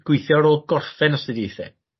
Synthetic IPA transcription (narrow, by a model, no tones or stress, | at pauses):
ɡ̥wɪɨθjɔɾoːlˠɡɔrfɛnɔsɪdiθɛ̰